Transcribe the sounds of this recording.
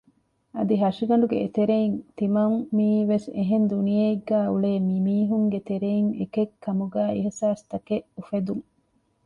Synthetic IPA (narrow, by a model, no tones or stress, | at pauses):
ɐd̪iɦɐʃiɡɐɳɖuɡḛet̪eɾeint̪imɐŋmiːʋeseɦend̪unijeiɡːæːuɭeːmimiːɦuŋɡet̪eɾeiŋḛkekʰːɐmuɡæːeɦisaːst̪ɐkeʔufed̪uŋ